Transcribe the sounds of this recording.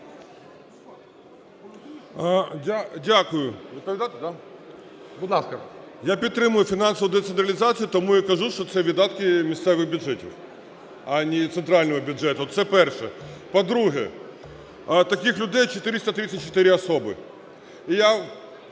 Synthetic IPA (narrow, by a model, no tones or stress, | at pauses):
dʲadʲakʊjʊʋʲit̪̚pɔʋʲd̪at̪d̪a | bʊd̪lˠaskɐjapʲit̪t̪ːɾɪmʊjʊfʲinɑnsɔʋʊd̪ɛt̪sent̪ɾɐlʲɪzɑt͡sʲijʊt̪ɔmujikɐʒuʃt͡ʃɔt̪sɛʋʲid̪ɑt̪kɪmʲissɛʋɪɣbʲʊdd͡ʒɛtʲḭw | ɐnʲit̪sent̪ɾɑlʲnɔɦɔbʲʊʐɛt̪ʊt̪sɛpɛrʃɛpɔd̪ɾuɦɛ̰ | t̪ɐkɪxlʲʊd̪ɛjt͡ʃɔt̪ɪɾʲɪsʲt̪ɐt̪ɾɪt͡sʲːɐt̚ʲt͡ʃɔt̪ɪɾʲɪɐsɔbɪ̰ | ija